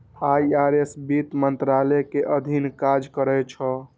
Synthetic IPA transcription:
ajaɾesbit̪mənt̪ɾalɛkeʔəd̪ʱinkad͡ʒkəɾɛt͡ʃʰə

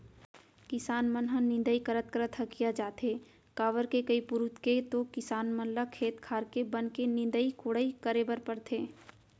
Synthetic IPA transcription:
kɪsaːnmənɦə̃nɪ̃nd̪əikəɾət̪̚kɾət̪ʰəkijad͡ʒaːt̪eː | kaːʋəɾkekəipʊɾut̪ket̪okɪsaːnmənləkʰːeːt̪kʰaːɾkebənkenɪ̃nd̪əikoɽəikəɾebəɾpəɾt̪ʰeː

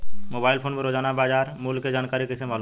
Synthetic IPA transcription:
mobailpʰonboɾod͡ʑanabad͡ʑaɾmulked͡ʑankaɾikisʰemalu

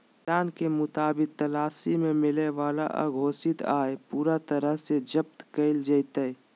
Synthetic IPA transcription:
ʈaːnkemʊt̪aːbɪk̚t̪ɐlaːsimẽmɪleʋaːla̰ʔa̰ːɡʱoːsɪt̪aːepuːɾat̪əɾəɦsed͡ʒəp̚t̪kəɪld͡ʒəɪt̪əe

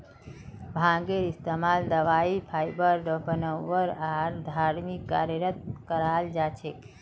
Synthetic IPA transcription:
bʱãːɡeɾist̪emaːld̪əʋaːipʰaːjbəɾɖɔpənəʋəɾaːɾd̪ʱaɾmikːa̰ɾjəɾət̪̚kəɾaːld͡ʒat͡ʃʰek

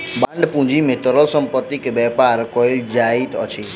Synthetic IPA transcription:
bãɳɖpũd͡ʒimet̪əɾəlsəmpət̪ikbɛpaɾkoild͡ʒait̪ɔ̰t͡ʃʰi

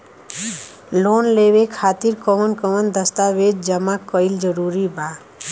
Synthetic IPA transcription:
lonleβekʰat̪iɾkɔmənkɔmənd̪əst̪abed̪̚d͡ʒəmakəjld͡ʒəɾuɾiba

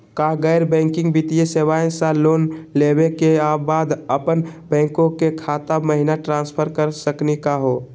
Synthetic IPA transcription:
kaɡəɪɾbɛ̃ːŋkɪ̃ŋɡbit̪ijesewaẽsaloːnlebekeabaːd̪əpənbɛ̃ːŋkõkekʰat̪aməɦinaʈɾãːnspʰəɾkəɾsəknikaɦo

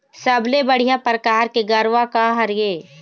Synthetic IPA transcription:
sɐblebəɽ̤ijapɾəkaːɾkeɡɐɾʋakaɦɐɾjeː

